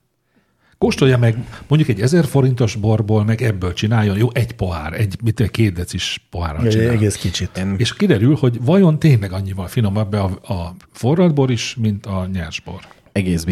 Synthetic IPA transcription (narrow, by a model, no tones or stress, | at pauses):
koʃt̪o̞jɒmɛɡmoɲɟukɛɟːɛzɛrfo̞ɾint̪o̞ʒbo̞rboːlmɛɡɛbːøːlt͡ʃinaːjːo̞njoːʔɛɟpo̞ɦa̰ːrɛɟmit̪ːoɛckeːt̪̚d̪ɛt̪siʃpoɦa̰ːrɒ̰t͡ʃina̰ːɛɡeːskit͡ʃit̪eːʃkid̪ɛɾylho̞ɟvɒjo̞nt̪eːnlɛɡɒɲːivɒlfino̞mɛbːɛɒɒfo̞rːɒd̪bo̞ɾiʃmint̪ɒɲɛrʒbo̰r | ɛɡeːs